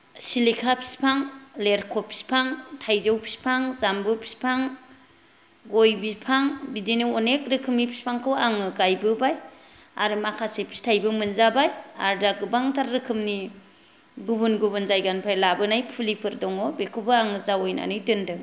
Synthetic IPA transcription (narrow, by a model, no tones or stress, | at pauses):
silikʰapʰi̥spʰaŋleɾkʰɔpʰi̥spʰaŋtʰajzɯwpʰi̥spʰaŋzambɯpʰi̥spʰaŋ | ɡojbispʰaŋbidiniɔnek̚ɾɯkʰɯmnipʰi̥spʰaŋkʰɯwaŋɯɡajbɯbaj | a̰ɾɯmakʰasepʰi̥stʰajbɯmɯnzabaja̰ɾdaɡɯbaŋtʰaɾːɯkʰɯmni | ɡubunɡubɯnzajɡanpʰɾajlabɯnajpʰulipʰɯɾdɔŋɔbekʰɯbɯaŋɯzawojna̰nɯjtɯndɯŋ